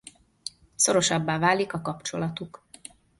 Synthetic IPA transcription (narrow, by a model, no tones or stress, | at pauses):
so̞ɾo̞ʃɒbːaːvaːlikɒkɒpt͡ʃo̞lɒt̪uk